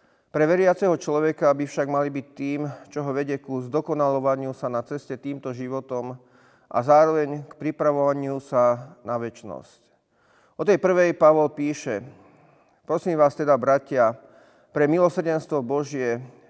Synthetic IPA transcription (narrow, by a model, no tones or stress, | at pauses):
pɾɛʋɛɾɪat͡sɛɦɔt͡ʃlɔʋɛkabifʃaɡmalibit̪ːiːmt͡ʃɔɦɔʋɛɟɛkuzd̪ɔkɔnalɔʋaɲɪusanat͡sɛscɛt̪iːmt̪ɔʒiʋɔt̪ɔm | ʔa̰zaːɾɔʋɛɲkpɾipɾaʋɔʋaɲɪusanaʋɛt͡ʃnɔ̰sc | ʔɔt̪ɛjpr̩ʋɛjpaʋɔlpiːʃɛ | pɾɔsiːmʋaːst̪ɛd̪abɾacɪa | pɾɛmilɔsɾ̩ɟɛnst̪ʋɔbɔʒɪɛ